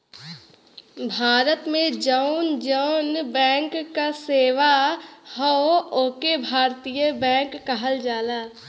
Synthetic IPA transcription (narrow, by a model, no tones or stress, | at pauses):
bʱaːɾət̪mẽd͡ʒəʊnd͡ʒəʊnbɛ̃ːŋkːaseːʋahooːkebʱaːɾt̪ijəbɛ̃ːŋkːɐɦəld͡ʒaːlaː